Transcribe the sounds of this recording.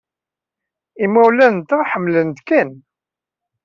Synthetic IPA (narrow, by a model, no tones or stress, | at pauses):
imæwlænnt̪əħəmːlənt̪kæn